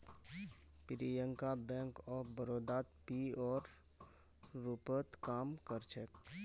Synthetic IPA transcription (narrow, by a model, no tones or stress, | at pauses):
pɪɾijə̃ŋkabɛ̃ːŋkɔːbəɾoːd̪aːt̪piɔːɾ | upət̪kaːmkəɾt͡ʃʰɛk